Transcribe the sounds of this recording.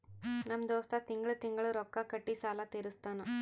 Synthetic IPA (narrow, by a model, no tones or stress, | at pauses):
nɐmd̪oːst̪aːt̪ɪŋɡɐɭɯt̪ɪŋɡɐɭɯɾɔkːaːkɐʈːisaːlaːt̪ɛɾɯst̪aːnɐ̃